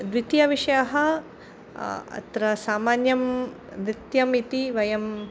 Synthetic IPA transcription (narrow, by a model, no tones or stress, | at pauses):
d̪ʋit̪jɐʋiʂɐjaɦɐ | ɐ̰t̪ɾɐsaːmaːnjɐm | nɾit̪jɐmit̪iʋɐjɐm